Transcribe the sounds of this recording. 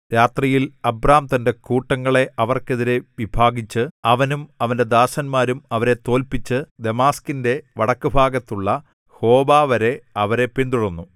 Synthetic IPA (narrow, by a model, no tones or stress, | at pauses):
ɾaːt̪rijilɐbraːmt̪ɐnde̞kuːʈːɐŋːɐɭe̞ʔɐʋɐrke̞ðiɾeʋibʱaːɡit͡ɕːɨɐʋɐnumɐʋɐnde̞d̪aːsɐnmaːɾumɐʋɐɾe̞t̪o̞ːlpit͡ɕːɨd̪e̞maːskinde̞ʋɐɽɐkːɨbʱaːɡɐt̪ːuɭːɐ | ho̞ːbaːʋɐɾe̞ɐʋɐɾe̞pind̪uɽunːu